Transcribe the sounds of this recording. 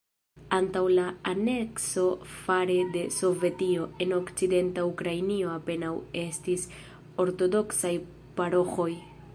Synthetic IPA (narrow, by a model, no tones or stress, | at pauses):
antawlaane̞kso̞faɾe̞de̞so̞ve̞tio̞e̞no̞kt͡side̞ntaukɾajnio̞ape̞nawe̞stis | o̞ɾto̞do̞ksaj | paɾo̞xo̞j